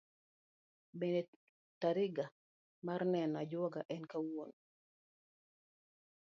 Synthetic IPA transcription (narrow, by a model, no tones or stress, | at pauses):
bende | taɾɪɡa | marnɛnad͡ʒwɔɡaʔɛnkawon